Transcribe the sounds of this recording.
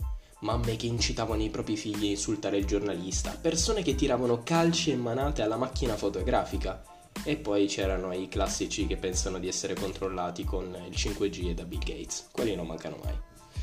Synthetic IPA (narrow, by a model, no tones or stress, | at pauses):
mamːek̟eint͡ʃit̪aːvanoipɾɔːpɾifiʎːiinsult̪aɾeild͡ʒornalist̪a̰persoːneket̪ːiɾaːvanokalt͡ʃeemːanaːt̪ealːamak̟ːinafot̪oɡɾaːfika | epːɔjt͡ʃɛːɾanoiklasːit͡ʃikepːɛnsanod̪iɛsːeɾekont̪ɾolːaːt̪ikonilt͡ʃiŋkwed͡ʒied̪abilɡḛjt̪skwelːinomːa̰ŋkano̰ma̰j